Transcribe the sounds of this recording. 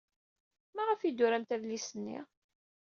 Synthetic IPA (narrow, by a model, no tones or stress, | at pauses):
mæʁəfid̪ʊɾæmt̪æðlisənːḭ